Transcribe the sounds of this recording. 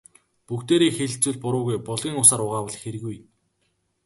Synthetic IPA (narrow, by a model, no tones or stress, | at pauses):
pukt̪eːɾeːxeɮt͡suːɮpʊɾʊːɣujpɔɮɣʲiːŋʊsaːɾʊʁaːwɔ̆ɮ̆xeɾɘ̆ɣuj